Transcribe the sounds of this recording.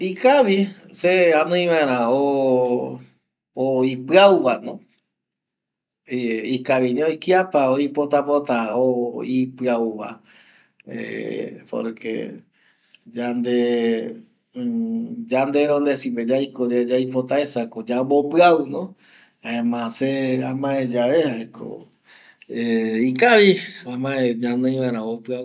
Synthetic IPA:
ikaʋiseanõĩʋãeɾ̃ão | ipɨauʋanõ | ikaʋiniojkiapaoipot̪apot̪aoipɨauʋa̰ | ḛpo̰ɾkḛ | d͡ʒand̪e | d͡ʒand̪eɾond̪esiped͡ʒajkod͡ʒad͡ʒaipot̪aesakod͡ʒambopɨaunõ | aẽmãseamãẽd͡ʒaeaeko̰ | eikaʋiãmãẽɲãnẽj̃ʋaɾãopɨau

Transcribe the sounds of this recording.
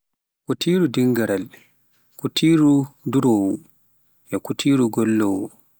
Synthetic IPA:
kutʰiːɾudiŋɡaɾal | kutʰiːɾuduɾɔwu | ʔɛkutʰiːɾuɡɔlːɔwu

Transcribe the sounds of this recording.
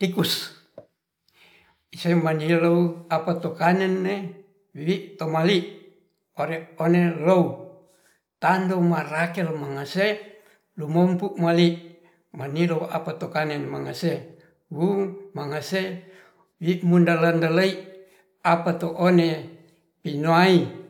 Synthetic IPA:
t̪ikus | isemanilouapat̪okanɛnːe | wiʔt̪omaliʔ | oɾeonelou | t̪andomarakɛlmaŋase | lumompuʔmaliʔ | maniloua̰pat̪okanɛnmaŋase | wumaŋase | wiʔmundalandalai | apat̪oʔone | pinoai

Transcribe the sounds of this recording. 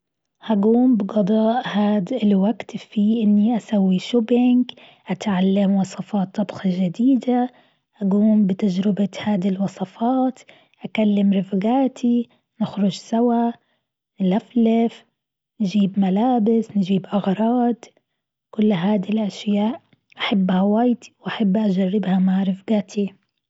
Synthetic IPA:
haɡuːmbɪɡɑd̪ˤɑːʔhaːd̪ɪlwaɡt̪fiʔɪnːiʔasawːiʃubɪŋɡ | ʔat̪ʕalːamwɑsˤɑfɑːt̪ˤːɑbxɑʒad̪iːd̪a | ʔaɡuːmbɪt̪ad͡ʒɾɪbahaːd̪ɪlwɑsˤɑfɑːt̪ | ʔakalːɪmɾɪfɡaːt̪ʰi | nɪxɾʊʒsawa | nlaflɪf | nʒiːbmalaːbɪsnʒiːbʔaɣɾˤɑːd̪ | kʊlːɦaːd̪ilʔaʃjaːʔ | ʔaħabːhawaːjt̪i̥wʔaħabːʔad͡ʒarːɪbhamaʕɾɪfɡat̪ʰi

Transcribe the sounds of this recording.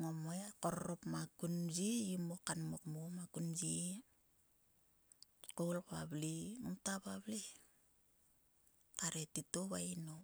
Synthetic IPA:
ŋomojako̞ɾoɾopmakund͡ʒiimokanmokmomakund͡ʒi | kowlkoaβlimumtaβaβli | kaɾetitoβaino

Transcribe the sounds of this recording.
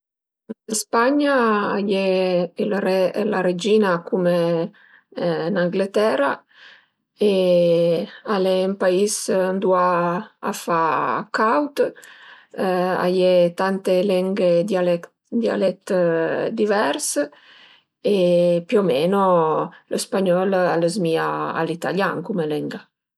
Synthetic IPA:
espaɲaajellaɾed͡ʒiːnakume | naŋɡlet̪ɛːɾa | e | aleːmpaisand̪ua̰ː | fakawt̪ | a̰jet̪ant̪elɛŋɡed̪al | d̪ja̰lɛt̪d̪ivɛɾs | epjomɛnolospaɲɔlaləzmiaa̰lit̪aljaŋkumelɛŋɡa

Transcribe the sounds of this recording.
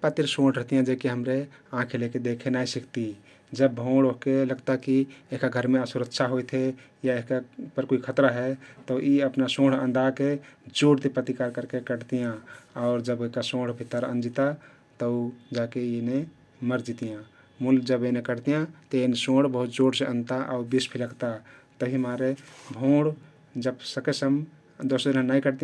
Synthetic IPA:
pat̪iɾsõɽ̤ɾəɦt̪ijãd͡ʒekeɦəmɾeãkʰeleked̪ekʰenajsikt̪i | d͡ʒəbːʱõɽoɦkeləɡt̪akieɦkaɡʱəɾmẽəsuɾəkt͡ʃʰaɦojt̪ʰe | jaeɦkapəɾkoikʰət̪ɾaɦɛt̪ɔʔiəpnasõɽ̤ə̰̃nd̪ʱaked͡ʒoɽt̪epət̪ikaɾkəɾkekəɽt̪ijãaʊɾd͡ʒəbekasõɽ̤bʱit̪ːəɾə̰nd͡ʒit̪a | t̪əud͡ʒakeene | məɾd͡ʒit̪ijã | muld͡ʒəbenekəɽt̪ijãt̪əensõɽ̤bəɦut̪̚d͡ʒoɽsẽə̃nt̪aʔa̰uɾbispʰiləkt̪at̪əbʱimaɾebʱõɽ | d͡ʒəbsəkesəm | d̪osd̪inə̃naikəɾt̪i

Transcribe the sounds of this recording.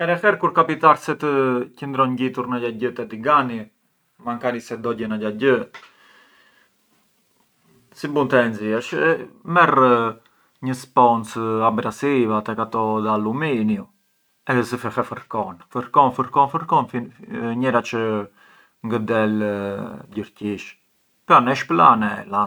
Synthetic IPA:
ɛɾɛfɛɾkuɾkapit̪aɾsɛt̪əcənd̪ɾɔɲɟit̪uɾnaɟaɟət̪ɛd̪iɡani | maŋkanisɛd̪ɔɟɛnaɟaɟə | sibunt̪ɛnziɛʃmɛr | ɲəspɔnsaɡɾasivat̪ɛkat̪ɔðaluminju | ɛzəfɛfɛfəɾkɔnfəɾkɔnfəɾkɔnfəɾkɔnfiɲɛɾat͡ʃə | ŋɡəd̪ɛl | ɟəɾciʃ | pɔnɛʃpla̰nɛla

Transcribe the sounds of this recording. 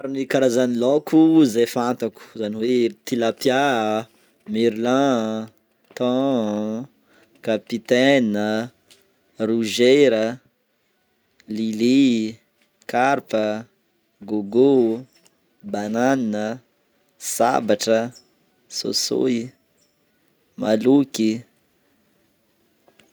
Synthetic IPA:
aɾinikaɾazanilokʰuzefãnt̪aku̥zaniwet̪ilapja | miɾlã | t̪ɔ̃ | kapit̪ɛnə | ruʒeɾə | lili | kaɾpə | ɡoɡo | bananinə | sa̰baʈ͡ʂə | so̰so̰i | maluki

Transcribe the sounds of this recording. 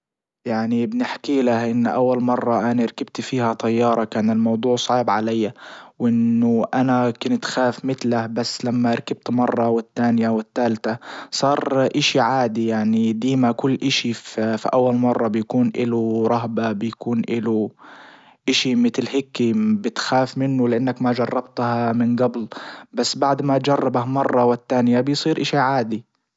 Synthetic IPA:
jaʕnibnɪħkiːlahʔɪnːʔawːalmɑrˤːɑʔanaɾˤkab̚t̪fiːhat̪ˤɑjːɑːɾˤɑkaːnɪlmɑwd̪ˤuːʕsˤɑːbʕalajːawʔɪnːʊʔanakɪnt̪xaːfmɪt̪lahbasːlamːaɾˤkab̚t̪mɑrˤːɑwɪt̪ːaːnjawɪt̪ːaːlt̪asˤɑːɾˤʔɪʃiʕaːd̪ijaʕnid̪iːmakʊlːʔɪʃifḭʔawːalmɑrˤːɑbɪjkuːnʔɪ̰luɾˤɑɦbabɪjakuːnʔɪlu | ʔɪʃimɪt̪lhɪkːibɪt̪xaːfmɪnːʊlɪʔanːakmad͡ʒɑrˤːɑbt̪hamɪnɡablbasːbaʕd̪mat̪̚d͡ʒɑrˤːɑbahmɑrˤːɑwɪt̪ːaːnjabɪjsˤiːɾʔɪʃiʕaːd̪i

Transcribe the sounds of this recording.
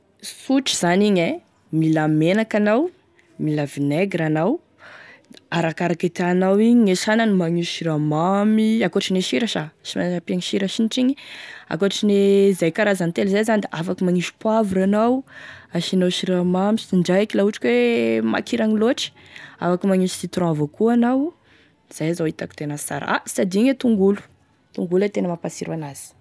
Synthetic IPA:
suʈ͡ʂiz̥aniɲe | milamenakanaw | milavineɡiɾanaw | aɾakaɾaket̪anawiɲiɲeʃananimaŋiʃuʃiɾamamiakoaʈ͡ʂineʃiɾaʃaʃimaapiaŋiʃiɾaʃiniʈ͡ʂiɲia̰koaʈ͡ʂinezajkaɾazant̪elzajzanid̪eʔafakumaŋiʃi̥pwavuɾanawaʃinawʃiɾamamisiiɳɖ͡ʐajakilauʈ͡ʂi̥kwema̰kʰiɾaŋiloʈ͡ʂi̥a̰fakumaŋiʃi̥sit̪ɾɔ̃avokuanaw | z̥ajazawit̪aki̥t̪enasa̰ɾ̰a̰sad̪iɲet̪uŋɡulu̥ | t̪uŋɡulat̪enəmapasiɾwanaz̥i̥

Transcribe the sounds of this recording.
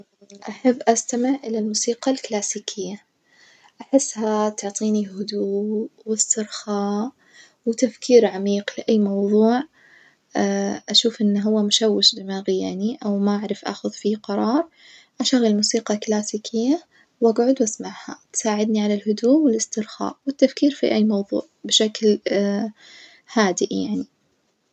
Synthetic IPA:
ʔaħabːʔast̪amɪʕʔɪlalmuːsiːqɑlklaːsiːkʰɪjːa | ʔaħɪsːhat̪ʊʕt̪ˤiːnihʊd̪uːwɪst̪ɪɾxaːʔ | wt̪afkʰiːɾʕamiːqlɪʔajːmɑwðˤuːʕ | ʔaʃuːfʔɪnːɦʊwːamʊʃawːɪʃbɪmaːɣɪjaniʔawmaʔaʕɾˤɪfʔa̰xʊðfiqɑɾˤɑːɾˤ | ʔaʃaɣalmuːsiːqɑklaːsiːkʰɪjːa | wʔaɡʕʊd̪wʔasmaʕha̰t̪saːʕɪd̪niʕalalhʊd̪uːʔwɪlɪst̪ɪɾxa̰ːʔwɪt̪ːafkiːɾfḭʔajːmɑwðˤṵːʕbɪʃakl | haːd̪ɪʔja̰ʕni

